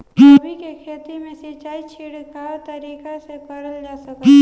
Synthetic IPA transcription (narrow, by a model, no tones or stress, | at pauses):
bʱikekʰeːt̪imẽsɐt͡ʃaːit͡ʃʰiɽkat̪ɐɾiːkasepɐɾəld͡ʒaːsɐk